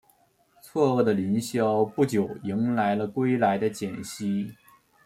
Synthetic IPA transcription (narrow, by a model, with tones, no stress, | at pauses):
t͡sʰwɔ˥˧ɤ˥˩d̪ə˩li˧˥nɕjɑ˥ʊpu˥˩t͡ɕjo˨˩ʊi˧˥ŋla˧˥ɪlə˧kwe˥ɪla˧˥ɪd̪ə˧t͡ɕjɛ˨˩nɕi˥